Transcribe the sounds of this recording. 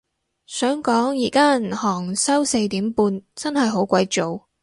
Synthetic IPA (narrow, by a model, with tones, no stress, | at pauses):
sœː˨˥ŋkɔː˨˥ŋjiː˨˩kaː˥˨n˨˩hɔː˨˩ŋsɐ˥wse˧jt̪iː˨˥mpuː˧nt͡sɐ˥nɦɐ˨jɦo˨˥wkʷɐ˨˥jt͡so˨w